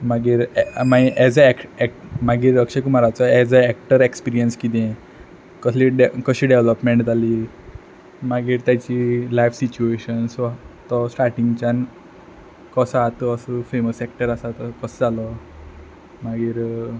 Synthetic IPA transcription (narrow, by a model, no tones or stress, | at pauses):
maɡiːɾɛmaiʔɛd͡zəɛkʈɛkʈmaɡiːɾəkɕekumaɾat͡sɔɛd͡zəɛk̚ʈəɾekspiɾijənskit̪̬ɛ̃ | kəsiɖekəɕiːɖeʋləpmeɳʈd͡zʱaliː | maɡiːɾt̪jat͡ɕilajfsit͡ɕueɕənsat̪ɔsʈaɾʈiŋɡt͡ɕan | kəsat̪əəsəfeməsɛkʈəɾasat̪əkəsəd͡zalɔ | maɡiːɾ